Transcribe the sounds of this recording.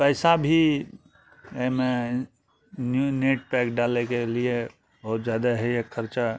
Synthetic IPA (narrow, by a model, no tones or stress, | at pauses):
pəɪsabʱi | əme | nneʈ̚pɛkɖalekelie | bəɦut̪d͡ʒjad̪aɦɛjekʰəɾt͡ʃa